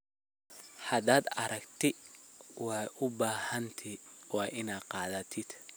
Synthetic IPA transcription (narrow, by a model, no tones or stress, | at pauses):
hɐd̪aːd̪ɐɾɐkt̪ʰɪwɑːʔʊbaːhɐnt̪ʰiwɑːʔɪnaːd̪qɑːðɐt̪ʰɪd̪̥